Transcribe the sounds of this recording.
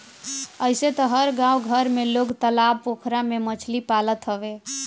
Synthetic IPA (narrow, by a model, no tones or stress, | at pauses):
əjset̪əɦəɾɡãwɡʱəɾmeloɡt̪əlab̚pokʰɾamemət͡ʃʰlipalət̪ɦəbe